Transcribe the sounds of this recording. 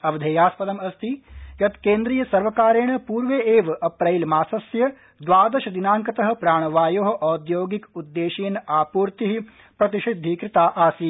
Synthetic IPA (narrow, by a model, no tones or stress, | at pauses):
ɐʋd̪ʱeːjaːspɐd̪ɐmɐst̪ʰijɐt̪keːnd̪ɾijɐsɐɾʋɐkaːɾeːɳɐpuːɾʋeeːʋɐpɾɐjlmaːsɐsjɐ | d̪ʋaːd̪ɐʃɐd̪inaːŋkɐt̪ɐɦɐ̆pɾaːɳ̃ɐʋaːjoːɦɐ̆ʔɔːd̪joːɡikud̪ːeːʃiːnaːpuːɾt̪iɦi | pɾɐt̪iʃid̪ʱːikɾɪt̪aːʔaːsi